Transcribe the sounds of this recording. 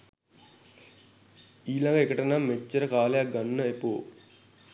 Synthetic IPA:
iːlaŋɡəekəʈənamːet͡ʃːəɾəkaːlejak̚ɡanːəepoː

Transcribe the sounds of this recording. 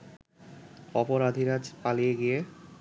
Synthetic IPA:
ɔpoɾad̪ʱiɾad͡ʒpalijeɡije

